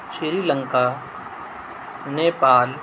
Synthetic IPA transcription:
ʃɾiɾiːlə̃ŋka | neːpaːl

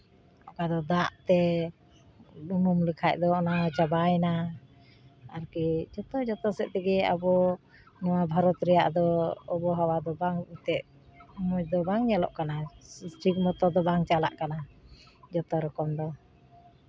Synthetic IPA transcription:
ɔkad̪ɔd̪aʔt̪ɛ | bumumlikʰac̚ˀd̪ɔnat͡ʃabajna | aɾkid͡ʒɔt̪ɔd͡ʒɔt̪ɔsɛʔ̚t̪ɛɡɛa̰bɔ | nɔwabʱaɾɔt̪ɾɛja̰ʔd̪ɔːbɔɦawad̪ɔbaŋt̪ɛʔ | mɔt͡ʃd̪ɔbaŋɲalɔ̰ʔkanasʈik̚mɔt̪ɔd̪ɔbaŋt͡ʃala̰ʔkana | d͡ʒɔt̪ɔɾɔkɔmd̪ɔ

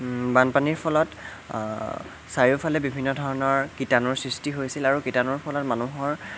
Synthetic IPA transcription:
banpaniɹpʰɔlɔt | saɹiupʰalɛbibʱinːɔdʱɔɹɔnɔɹkitanɔɹsɹistiɦojsilaɹukitanɔɹpʰɔlɔtmanuɦɔɹ

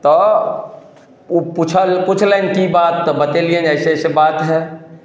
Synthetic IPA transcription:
t̪ɔ | put͡ʃʰəlkʊt͡ʃʰlənkibaːt̪ːɔbət̪eliə̃nɛːseɛsebaːt̪ɦɛ

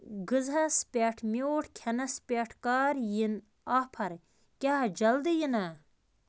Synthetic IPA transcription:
ɡɨzɐspʲeːʈʰmʲoːʈʰkʲʰɐnɐspʲeːʈʰkaːɾjin | aːpʰɐɾ | kʲaːd͡ʒɐld̪ɨjinɐ

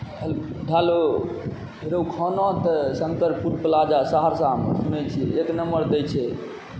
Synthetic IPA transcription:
ɦəlɖʱalo | ɾowkʰɔnɔt̪əsənt̪əɾpuɾpəlad͡ʒasaɦaɾsãmsunɛt͡ʃʰieknəmbəɾd̪ɛjt͡ʃʰɛ

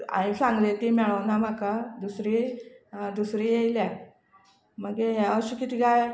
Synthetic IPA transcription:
ã̰isãŋɡlet̪imɛɭəwnam̤akad̪usɾi | d̪usɾiːjelja | məɡeɦɛəɕukit̪ʰiɡaj

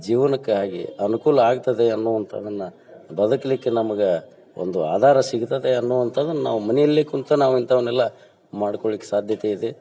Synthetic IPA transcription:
d͡ʒiːʋɐnɐkːeɦaːɡḭɐnukuːlɐaːɡ̚t̪ɐd̪e̞ɐnːuʋɐnt̪ʰɐ̰d̪ɐnːɐ | bɐd̪ʱɐkɐlikːenɐmɐɡe | o̰nd̪ua̰ːd̪ʱaːɾɐsiɡut̪ɐd̪eɐnːuːʋɐnt̪ʰɐːd̪ɐnːɐna̰ːʋumɐnɛjɐlːeːkunt̪ɐnaːʋuint̪ʰɐʋɐnːɛlːɐ | maːɽkoɭlikːesaːd̪ʱjɐt̪eid̪e

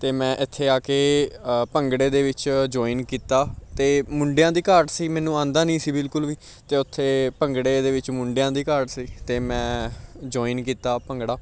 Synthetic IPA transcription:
t̪eːmɛ̃ːʔɪt̪ʰːeːaːkeːpəŋɡɽeːd̪eːʋɪt͡ʃd͡ʒɔːiːnkiːt̪aːt̪eːmʊ̃ɳɖejãːd̪iːkəɾʈsiːmɛːnũːãːnd̪aːnĩːsiːbɪlkʊlʋiː | t̪eːʊt̪ʰːeːpəŋɡɽeːd̪eːʋɪt͡ʃmʊɳɖejãːd̪iːkəɾɖsiːt̪eːmɛ̃ːd͡ʒɔːinkiːt̪aːpəŋɡɽaː

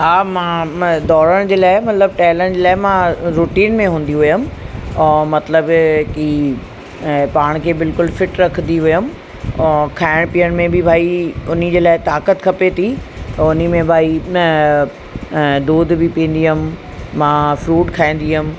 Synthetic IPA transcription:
ɦaːmãd̪ɔːɾəɽ̃d͡ʑeːlaːɪmɐt̪ləb̚ʈaːləɽ̃d͡ʑeːlaːɪmãɾuːʈiːnmẽɦũːn̆d̪iɦʊjʊm̃ː | mɐt̪ləbki | paːɽ̃kʰeːbɪlkʊlfɪʈɾɐkʰə̃nd̪iɦʊjʊm | kʰaːɪɽ̃piːəɽ̃mẽbɪbʱaːiʊn̤ə̆d͡ʑeːlaːɪt̪aːkət̪kʰɐpet̪ʰi | t̪ɐʊnimẽbʱaːi | d̪oːd̪ʱbɪpĩːn̆d̪iɦʊm | mãːfɾuːʈkʰaːĩːn̆d̪iɦʊm̆

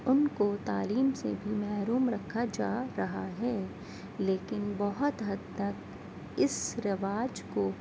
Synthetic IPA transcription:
ʊnkot̪aːliːmsebʱimɛɦɾuːmɾɐkʰad͡ʒaːɾɐɦaɦɛː | leːkɪnbɐɦʊt̪ɦɐd̪ːək | ɪsɾɪʋaːd͡ʒko

